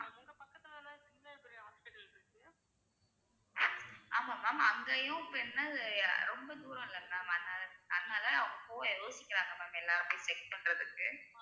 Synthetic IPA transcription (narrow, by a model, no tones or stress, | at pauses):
aʊŋɡɐpɐkːɐt̪ːɯnaːlãsɪŋːɐɾɯpɛɾijɦaːspɛʈːɐlkɯkːɯ | aːmaːmaːmɐŋɡɐjʊ̃pɛnːɐɐðɯɾɔmbɐd̪uːɾɐ̃ɪlːɐnːaːmɐðnaːlɐɐðɯnaːlɐɐʋɐŋɡɐpoːjoːsɪkʲːɪɾaːŋɡɐmaːmɛlːaːɾɐpeːsɛk̚pɐɳɾɐðɯkːɯ